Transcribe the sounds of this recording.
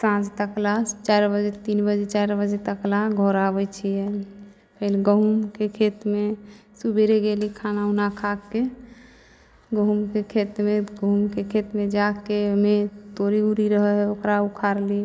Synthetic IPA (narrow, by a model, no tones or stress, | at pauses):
sãd͡ʒt̪əklat͡ʃaɾbəd͡ʒet̪inbəd͡ʒet͡ʃaɾbəd͡ʒet̪əklaɡʱɔɾabɛt͡ʃʰijɛ | pʰəleɡəɦumkekʰet̪mesubeɾeɡelikʰanaunakʰakːe | ɡəɦumkekʰet̪meɡəɦumkekʰet̪med͡ʒakemet̪oɾiuɾiɾəɦɛɦɛokɾaukʰaɾli